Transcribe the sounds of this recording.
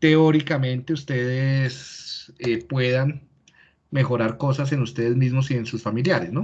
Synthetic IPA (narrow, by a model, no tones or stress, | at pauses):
t̪e̞oɾikamẽ̞nt̪e̞ust̪e̞ðeesepwe̞ðan | me̞xo̞ɾaɾko̞sas̬e̞nust̪e̞ð̞e̞zmizmosie̞nsusfamiljaɾesno̞